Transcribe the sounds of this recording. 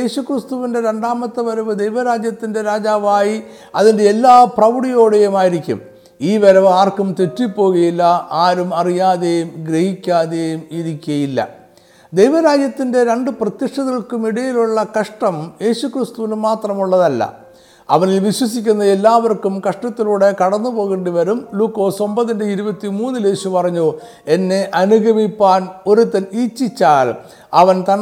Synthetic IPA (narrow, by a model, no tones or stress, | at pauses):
eːɕukrist̪uʋinde̞ɾe̞ɳɖaːmɐt̪ːɐʋɐɾɐʋɨd̪ejʋɐɾaːd͡ʑjɐt̪ːinde̞ɾaːd͡ʑaːʋaːji | ɐðinde̞elːaːprɐʋuɽijo̞ːɽejumaːjiɾikʲːṵm | iːʋɐɾɐʋaːrkumt̪e̞tːipːo̞ːɣɐjilːɐʔaːɾumɐrijaːðejumɡɾehikʲːaːðeːjumiɾikʲːuɐjilːɐ̰ | d̪ejʋɐɾaːd͡ʑjɐt̪ːinde̞ɾe̞ɳɖɨprɐt̪jɐʂʈɐðɐɭkumiɽɐjiluɭːɐkɐʂʈɐmje̞ːɕukrist̪uʋinmaːt̪rɐmuɭːɐðɐlːɐ̰ | ɐ̰ʋɐnilʋiɕwɐsik̬ʲːunːɐe̞lːaːʋɐrkumkɐʂʈɐt̪ːiluːɽe̞kɐɽɐnːupo̞ːɣeɳɖiʋɐɾumluːkːo̞ːso̞mbɐðindeiɾubɐt̪ːimuːnːileːɕupɐrɐɲːu | e̞nːe̞ʔɐnuɣʱɐmipːaːno̞ɾut̪ːɐniːt͡ɕːit͡ɕːaːl | ɐʋɐnt̪ɐn